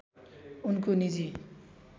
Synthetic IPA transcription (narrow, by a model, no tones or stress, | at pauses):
unkonid͡zi